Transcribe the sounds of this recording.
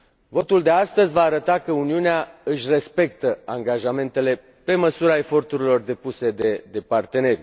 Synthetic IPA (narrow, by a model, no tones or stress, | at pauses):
vo̞t̪uld̪e̞ast̪əzʲvaːɾət̪akəuniuneaɨʃʲre̞spe̞kt̪əaŋɡaʒame̞nt̪e̞le̞ | pe̞məsuɾae̞fo̞rt̪uɾilo̞rd̪e̞puse̞d̪e̞d̪e̞part̪e̞ne̞rʲ